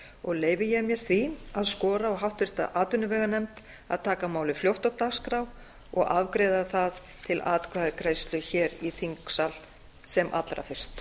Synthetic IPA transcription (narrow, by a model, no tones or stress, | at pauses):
ɔɣleːjvɪjɛɣmjɛɾ̥θviaðskɔːɾaɔɣɦawht̪vɪr̥t̪a̰ʔaːt̪ʏnːʏvɛːɣanɛmt̪ | a̰ðt̪ʰaːkamaːwlɪfljowht̪awt̪askɾaw | ɔ̰ɣavkɾeːðaθað | t̪ʰɪlaːt̪kʰvaːðɪkɾaːjst̪lʏçɛːɾiθiŋksal | sɛmʔa̰t̪lɾa̰fɪr̥st̪